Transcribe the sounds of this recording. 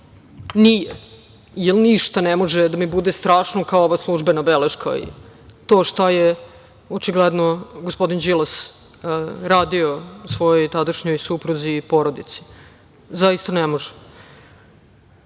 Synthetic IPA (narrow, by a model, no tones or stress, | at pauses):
nije | ijelˠniʃt̪anemo̞ʒed̪amibud̪est̪ɾaːʃnokaooʋaslˠuʒbenabeleʃkʰa̰ḭt̪o̞ːʃt̪aje | ot͡ʃiɡled̪noɡospo̞d̪ind͡ʒilˠas | ɾaːd̪io̞usʋo̞jojt̪ad̪aʃɲojsupɾuzipo̞ɾod̪it̪si̥ | zaist̪anemoʒɛ̥